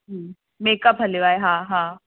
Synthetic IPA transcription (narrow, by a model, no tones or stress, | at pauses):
ɦ | meːkəpɦəliʋaːeɦãɦã